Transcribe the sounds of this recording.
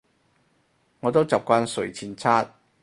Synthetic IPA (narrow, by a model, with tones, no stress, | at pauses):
ŋɔː˨˧t̪̬wt͡sa˨p̚kʷaː˥nsɵ˨˩ɥt͡sʰiː˧nt͡sʰaː˥t̚